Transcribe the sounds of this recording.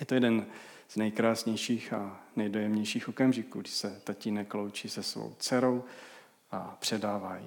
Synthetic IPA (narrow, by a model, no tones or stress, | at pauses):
jɛt̪ojɛdɛn | z̥nɛjkɾaːsɲɛjʃiːxanɛjdo̞jɛmɲɛjʃiːxʔo̞kamʒɪkuːɡdɪʃsɛt̪acinɛklowt͡ʃiːsɛsvo̰wt͡sɛɾo̞w | ʔapr̝̥ɛdaːvaːjḭ